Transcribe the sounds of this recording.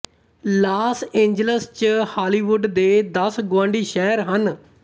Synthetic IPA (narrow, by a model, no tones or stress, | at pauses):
laːsẽːɲd͡ʒələst͡ʃhaːliːʋʊɖd̪eːd̪əsɡʊʋãːɳɖiːʃɛːɾɦən